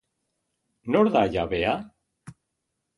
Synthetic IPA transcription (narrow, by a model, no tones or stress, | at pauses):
noɾðajaβea